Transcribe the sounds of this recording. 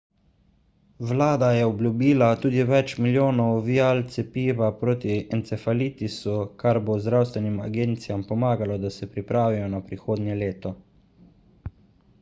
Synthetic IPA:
wlaːd̪ajɛɔbljubiːlat̪uːd̪iʋɛt͡ʃmiljoːnɔwʋijalt̪sɛpiːʋapɾoːt̪iɛnt̪sɛfalit̪isukaɾbozd̪ɾawst̪ʋɛnima̰ɡeːnt̪sijampɔmaːɡalɔd̪asɛpɾipɾaːʋijɔnapɾixoːd̪njɛleːt̪ɔ

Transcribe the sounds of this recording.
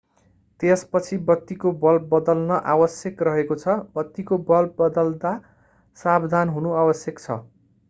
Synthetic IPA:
t̪espʌt͡sʰibʌt̪ːikobʌlbʌd̪ʌlnʌʔabʌsjʌkrʌɦekot͡sʰʌbʌt̪ːikobʌlbʌd̪ʌld̪a | sabd̪ʱanɦunuabʌsjʌkt͡sʰʌ̰

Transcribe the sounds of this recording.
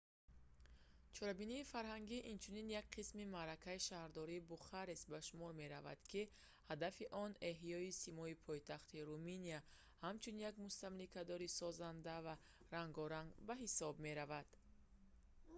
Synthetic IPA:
t͡ʃʰɔɾabiniːfaɾɦaŋɡiʔint͡ʃʰuninjak̚qʰismimaɾakʰaiʃahɾd̪ɔɾiːbuχaɾesbaʃumɔɾme̞ɾava̰d̪̥kʰi | had̪afiʔɔne̞ɦjɔisimɔipʰɔjt̪aχt̪iɾuminia | hamt͡ʃʰunjaɡmust̪amlikʰad̪ɔɾisɔzand̪ava | ɾaŋɡɔɾaŋɡbaɦisɔbme̞ɾavad̪̥

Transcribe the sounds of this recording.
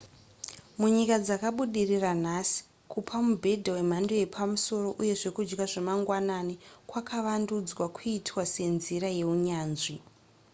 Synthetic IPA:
muɲikad͡zakaɓuɗiriran̤asi̥ | kupʰamubʱe̞dʱawe̞m̤ando̞je̞pʰamuso̞ɾo̞ʔuje̞ʐe̞kud͡ʒɡaʐemaŋɡwananikwakʰaʋandud͡zwakʰuitwase̞nziɾaje̞uɲaːnʐi

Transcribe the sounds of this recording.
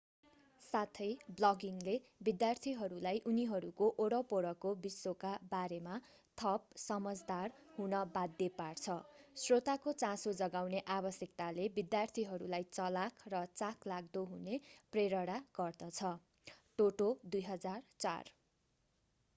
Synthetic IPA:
sat̪ʰʌjblʌɡiŋlebid̪jart̪ʰiɦʌɾulajʔuniɦʌɾukoʔoɽʌpoɽʌkobisːokabaɾema | t̪ʰʌp̚sʌmʌd͡zd̪arɦunʌbad̪ːjepart͡sʰʌsrot̪akot͡sãsod͡zʌɡawneʔabʌsjʌkt̪alebid̪jart̪ʰiɦʌɾulajt͡sʌlakʰrʌt͡sakʰlaɡ̚d̪oɦunepreɾʌɽaɡ̥ʌrd̪ʌt͡sʰʌ | ʈoʈod̪ujɦʌd͡zart͡sa̰r

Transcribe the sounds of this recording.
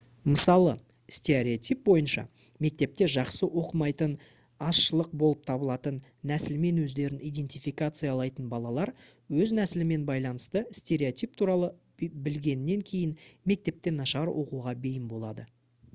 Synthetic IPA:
məsɑlˠə | st̪ʲe̞ɾʲeot̪ʲijp̚bo̞jənʃɑ̰ | me̞k̚t̪e̞p̚t̪e̞ʒɑqsəwo̞qəmɑjt̪ən | ɑsʃəlˠəq̚bo̞lˠəp̚t̪ʰɑbəlˠɑt̪ənːæsɪlɪme̞nwɵzd̪e̞ɾɪnijd̪e̞nt̪ʲijfijkat̪sɨjɑːlˠɑjt̪ənbɑlˠɑlˠɑɾ | wɵznæsɪlɪme̞nbɑjlˠɑnəst̪əsʲt̪ʲe̞ɾʲeot̪ijp̚t̪ʰuɾɑlˠə | bɪlɡʲe̞nɪːe̞ŋkʲʰe̞jɪnme̞k̚t̪e̞p̚t̪e̞nɑʃɑɾwʔo̞quʁɑbe̞jɪmbo̞lˠɑd̪ə

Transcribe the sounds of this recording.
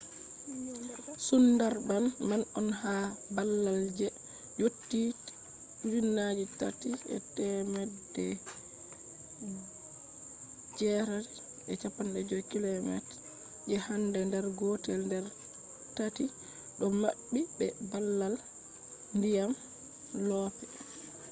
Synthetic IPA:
sundaɾbanmanɔnhabalːald͡ʒɛ | d͡ʒotːi | winːad͡ʒitatiʔɛ̰tɛmɛdːɛ | d͡ʒɛɾa | ʔɛt͡ʃapːanɗɛd͡ʒɔkilɔmɛ̰t | d͡ʒɛhandɛndɛɾɡɔtɛlndɛɾ | tati | ɗɔma̰bːibɛbalːal | ndijam | lɔpɛ

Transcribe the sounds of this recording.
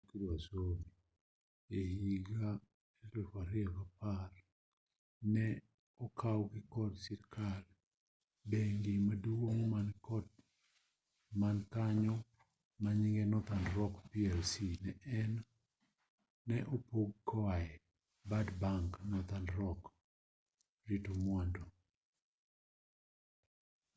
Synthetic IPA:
kiɾasoni | ehiɡa | elɛfaɾɪɛkapar | nɛ | ɔkʰawɡɪkɔdsiɾkʰal | beŋɡimaduwoŋmanɔd | mankaɲɔ | maɲiŋɡɛnɔt̪andɾɔkpiɛlsinɛɛn | ɛʔopoɡkɔaɛ | badbaŋknɔt̪andɾɔk | ɾitomwandɔ

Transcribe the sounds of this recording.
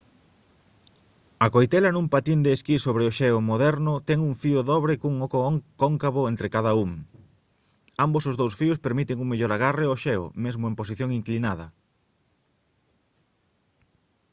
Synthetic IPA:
ɐkojt̪ɛlɐnũmpat̪ind̪eːskisoβɾeoʃɛʊmoðɛɾnʊt̪ɛŋuŋfiʊðɔβɾekuŋokoŋkaβoent̪ɾekað̞ɐuŋ | ambosozðowsfiʊspeɾmit̪eŋuŋmeʎoɾaɣ̞areoʃɛo̰mezmʊempos̬iθjoŋiŋklinaðɐ̰

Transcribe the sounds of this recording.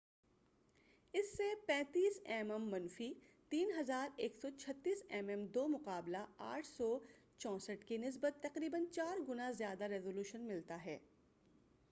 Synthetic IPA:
ɪsːepɛ̃ːt̪iːsɛːmɛmːɐnfit̪iːnɦɐzaːɾeːksɔt͡ʃʰɐt̪ːiːsɛːmɛmd̪oːmʊqaːblaa̰ːʈʰsɔː | t͡ʃɔ̃ːsəʈkinɪs̬bət̪ːɐqɾiːbənt͡ʃaːɾɡʊnazjaːd̪aɾɛːzoːluːʃənmɪlt̪aɦɛː

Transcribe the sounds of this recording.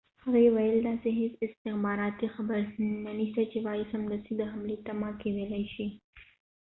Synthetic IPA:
haɣaewajəld̪ɑseɦɪsɪst̪ɪxbɑɾɑt̪ixabəɾnaniʃt̪at͡ʃewɑjɪsamd̪əsid̪əɦamlet̪amɑkewelajʃi

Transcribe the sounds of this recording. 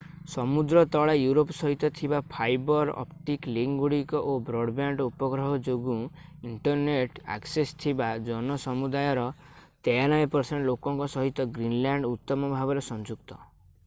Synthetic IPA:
sɔmud̪ɾɔt̪ɔɭajuɾopsɔɦit̪ɔt̪ʰibapʰajbɔɾɔ̰pʈikliŋɡuɽikɔʔobɾɔɖbjaɳɖupɔɡɾɔɦɔd͡ʒoɡũiɳʈɔɾneʈa̰ksest̪ʰibad͡ʒɔnɔsɔmud̪ajɔɾɔt̪ejanɔepɔɾseɳʈlokɔŋkɔsɔɦit̪ɔɡɾinlaɳɖut̪ːɔmɔbʱabɔɾesɔnd͡ʒukt̪ɔ

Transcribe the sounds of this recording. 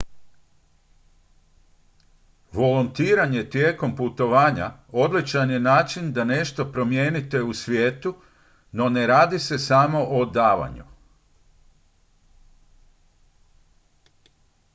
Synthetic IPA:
ʋo̞lunt̪iːɾaɲe̞t̪jeːko̞mput̪o̞ʋaːɲa̰o̞d̪lit͡ʃanjenaːt͡ʃind̪ane̞ʃt̪o̞pɾo̞mjeːnit̪e̞usʋjeːt̪u | no̞ne̞ɾaːd̪ise̞samo̞ʔod̪aːʋa̰ɲṵ

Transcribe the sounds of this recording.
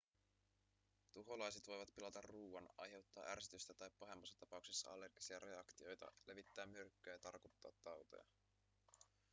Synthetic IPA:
t̪uɦo̞lɑjset̪ʋo̞jʋɑt̪pilɑt̪ɑrːuːɑnɑ̰jɦe̞wt̪ːɑːʔærsit̪yst̪æt̪ɑjpːɑɦe̞mːɑsːɑ̥t̪ɑpɑukse̞sːɑɑlːe̞rɡ̥isiɑɾe̞ɑkt̪io̞jt̪ɑ̰le̞ʋit̪ːæːmːyrkːyæjɑt̪ɑrkot̪ːɑ̰ːt̪ːɑwt̪o̞̰jɑ̰

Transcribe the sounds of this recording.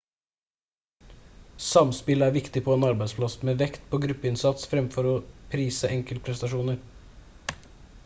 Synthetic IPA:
sɑmspɪləæɾʋɪkt̪ɪpʰɔɛːnɑɾbæɪd̪spʰlɑsmeːʋɛkt̪pʰɔɡɾʉpːəɪnsɑt̪sfɾɛmfɔɾɔpʰɾiːsəʔɛŋkəl̚pʰɾɛst̪ɑʂuːnəɾ

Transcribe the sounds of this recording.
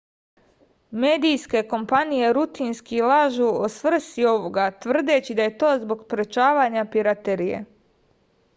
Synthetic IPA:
me̞ːd̪ijske̞ko̞mpanije̞ɾut̪inskilaʒuosʋr̩st̪io̞ʋo̞ɡat̪ʋr̩d̪e̞t͡ɕid̪aje̞t̪o̞ːzbo̞ɡpɾe̞t͡ʃaːʋaːɲapiɾat̪e̞ɾijḛ

